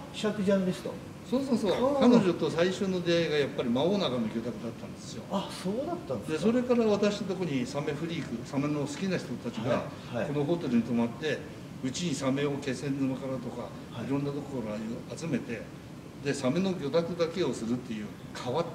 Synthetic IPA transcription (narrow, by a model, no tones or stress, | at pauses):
ɕakɯʑãnɾʲist̪o̰ | so̞ːso̞ːsoːkanoʑo̞t̪o̞saiɕo̞no̞d̪e̞aiɡajapːaɾʲimaonakanoɡʲo̞t̪akɯ̟d̪at̪ːãnd̪e̞sɨjo̞asoːd̪at̪ːãnded̪e̞so̞ɾe̞kaɾaβat̪aɕi̥t̪at̪o̞ko̞ɲ̟isame̞ɸɯ̟ɾʲiːkɯ̟same̞no̞sɨ̥kʲinaçi̥t̪o̞t̪at͡ɕiɡa | ako̞no̞ɦo̞t̪e̞ɾɯ̟ɲ̟it̪o̞mat̪ːe̞ | ɯ̟t͡ɕiɲ̟isame̞o̞ke̞sẽ̞nːɨmakaɾat̪o̞ka̰ | iɾõ̞nːat̪o̞koɾoajɯat͡sɨme̞t̪e̞ | d̪e̞same̞no̞ɡʲo̞t̪akɯ̟d̪ake̞o̞sɨɾɯ̟t̪ːe̞jɯ̟ː | kʰaβa